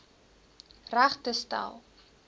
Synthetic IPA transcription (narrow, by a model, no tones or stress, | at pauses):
ræχtəsta̰lˠ